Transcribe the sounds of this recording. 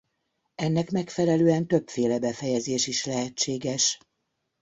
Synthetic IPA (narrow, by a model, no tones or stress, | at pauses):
ɛnːɛkmɛkfɛlɛløːɛnt̪ø̞pfeːlɛbɛfɛjɛzeːʃiʃlɛɦɛt͡ʃːeːɡɛʃ